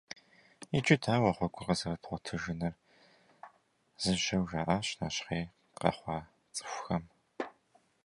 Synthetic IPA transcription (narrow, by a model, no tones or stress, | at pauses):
it͡ʃʼɪtʰaːwɐχʷɔɡʷʼʊqəzɐrɐtʰχʷɔtʰɨʒɪnɐr | z̥ɨʒɐwʒaʔaːɕnaːɕχeː | qɐ̰χʷɑː | t͡sʼɨ̥xʷxɐm